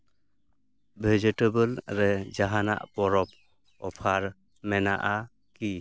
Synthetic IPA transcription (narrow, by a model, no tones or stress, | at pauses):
bʱed͡ʒetebəlɾɛd͡ʒaɦana̰ʔpɔɾɔp̚ | ɔpʰaɾ | mɛna̰ʔa | ki